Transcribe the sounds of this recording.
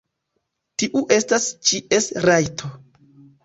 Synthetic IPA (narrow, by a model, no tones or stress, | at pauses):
tiʔuʔe̞stast͡ʃiʔe̞sɾajtʰo